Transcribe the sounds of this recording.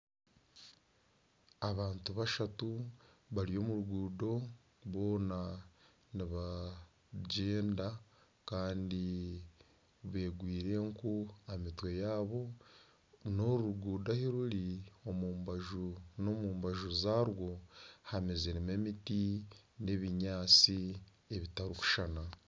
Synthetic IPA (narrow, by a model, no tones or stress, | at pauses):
aβaːntuβaʃatuβaɾijo̞ːmuɾuɡuːdo̞ | βo̞ːna | niβa | ɟeːnda | kaːndi | βe̞ːɡwiːɾe̞ŋkuamitwe̞jaːβo̞ | no̞ɾuɾuɡuːdahiɾuɾiomumbaʒunomuːmbaʒuzaːɾwo̞hamezeɾime̞mitine̞βiɲaːt͡si | eβitaɾuku̥ʃana